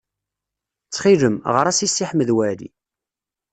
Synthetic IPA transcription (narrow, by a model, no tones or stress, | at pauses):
t͡sːχiðəmʁəɾˤæsisːiħməðwælḭ